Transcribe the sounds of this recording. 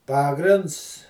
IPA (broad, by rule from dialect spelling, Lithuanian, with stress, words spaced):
ˈpɑːɡrʲɪnts